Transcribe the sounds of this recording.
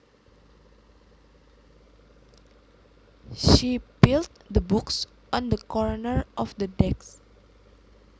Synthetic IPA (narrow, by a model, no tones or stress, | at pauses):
ʃibiltdəbuks | ʔɔ̃nd̪əkɔɹnəɹʔɔfd̪ədɛks